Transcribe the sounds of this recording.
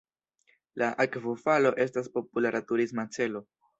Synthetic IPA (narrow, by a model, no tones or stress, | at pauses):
lʔaʔakvofalo̞ʔe̞s̬taspo̞pulaɾʔatuɾismat͡se̞lo̞